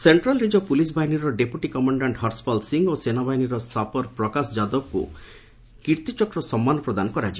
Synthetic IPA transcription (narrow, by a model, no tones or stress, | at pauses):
seɳʈɾalɾid͡ʒɔpulis̬bʱaɦiniɾɔɖepjuʈikɔmaɳɖaɳʈɦɔɾspɔlsiŋɡosenabaɦiniɾɔsapɔɾpɾɔkasɔd͡ʒad̪ɔb̚kṵ | kiɾt̪it͡ʃɔkɾɔsɔmːanɔpɾɔd̪anɔkɔɾat͡ʃʰi